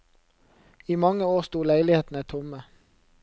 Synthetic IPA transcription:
iːmɑŋəoːʁst̪uːlæɪlɪheːt̪n̩ət̪ʰʊmə

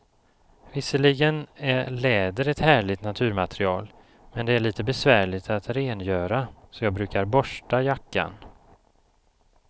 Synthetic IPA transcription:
vɪsəɭɪɡənælɛːd̪əɾɛt̪hæːɭɪt̪nat̪ʰʉ̟ːɾmat̪ʰɾɪɑːl | mɛnd̪ɛæɭiːt̪əbɛsvæːɭɪt̪at̪ɾeːnjœːɾasɔjɑːɡ̚bɾʉ̟ːkaɾbɔʂʈajakːa̰n

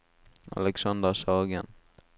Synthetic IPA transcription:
a̰lɛksɑnd̪əsɑːɡən

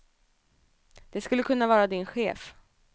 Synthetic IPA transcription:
d̪̥ɛskɵlːəkʰɵnːavɑːɾad̪ɪnɧeːf

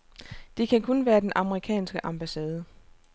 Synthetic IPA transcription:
d̥e̝kʰækʰɔ̽nʋæːɐd̥enʔɑ̈məʁikʰɛ̰ːnsɡ̥əʔɑ̈mb̥æsɛːð̞ˠə

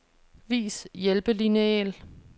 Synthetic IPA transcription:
ʋḭːsjelb̥əlineɛ̰ːl

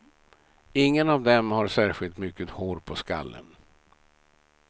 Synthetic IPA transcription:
ɪŋːənavd̪ɛmhaɾʂæːɾɧɪlt̪mʏkːət̪hoːɾpʰɔska̰lːə̰n

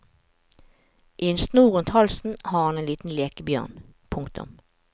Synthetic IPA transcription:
ʔiːɛnst̪nuːʁʉnt̪hɑlsn̩hɑːʁhɑneːnliːt̪n̩leːkəbjœ̰ʁnpʰʊŋkt̪ʊ̰m

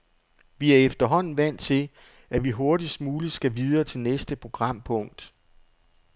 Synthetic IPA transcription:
ʋiæɐefd̥ɐɦɒ̽n̰n̩ʋæn̰t͡sʰe̝l | æʋiɦo̝ɐdismuːli̥sɡ̥æʋiðˠɐːt͡sʰe̝lnesd̥əpʰʁo̝ɡ̥ʁɑ̈m̰pʰɔ̽ŋ̰d̥

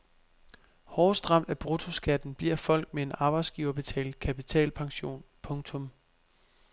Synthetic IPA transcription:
hɒːsd̥ʁɑ̈m̰d̥æb̥ʁut͡sʰo̝sɡ̥æd̥n̩b̥liɐ̰fɒ̽l̰ɡ̥̚mee̝nɑ̈ːb̥ɑ̈ɪd̥sɡ̥iːʊɐb̥e̝t͡sʰɛ̰ːld̥kʰæpit͡sʰɛ̰ːlpʰɑ̈ŋɕo̝̰ːnpʰɔ̽ŋt͡sʰɔ̽m

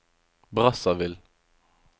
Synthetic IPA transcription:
bʁɑsɑvɪl

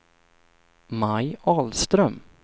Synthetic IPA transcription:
majɑːlst̪ɾœm

